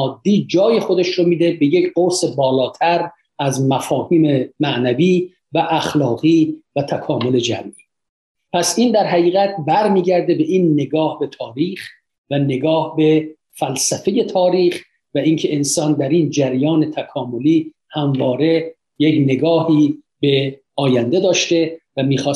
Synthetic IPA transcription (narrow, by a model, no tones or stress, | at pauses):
ɒːd̪ːiːd͡ʒɒːje̞xod̪eʃɾomiːd̪e̞be̞jecʰɢose̞bɒːlɒːt̪ʰæɾ | æzmæfɒːhiːmemæʔnæviː | væʔæχlɒːɣiːvæt̪ʰækʰɒːmo̞le̞d͡ʒæ̰mʔi | pʰæsind̪æɾɦæɣiːɣæt̪̚ʰbæɾmiːɟæɾd̪e̞be̞ʔinːe̞ɡɒːhbe̞t̪ʰɒːɾiːχ | væne̞ɡɒːhbe̞ | fælsæfe̞je̞t̪ʰɒːɾiːχ | væincʰeensɒːnd̪æɾind͡ʒæɾjɒːne̞t̪ʰækʰɒːmo̞liː | hæmvɒːɾe̞ | jekne̞ɡɒːhiː | be̞ | ɒːjænd̪e̞d̪ɒːʃt̪e̞væmiːxɒː